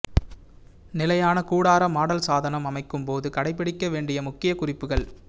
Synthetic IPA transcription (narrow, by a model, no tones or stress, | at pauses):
nɪlɐjaːnɐkuːɽaːɾɐmaːɽɐlsaːðɐnɐmɐmɐɪkːɯmpoːðɯkɐɽɐɪpːɪɽɪkːɐʋeːɳɖɪjɐmʊkːɪjɐkʊrɪpːɯɣɐɭ